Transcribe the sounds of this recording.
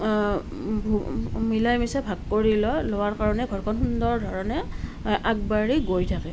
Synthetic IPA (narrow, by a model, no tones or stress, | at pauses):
bmilajmisɛbʱaɡkoɹilɔlowaɹkaɹɔnɛɡʱɔɹkʰɔnxundɔɹdʱɔɹɔnɛʔaɡ̚baɹiɡojtʰakɛ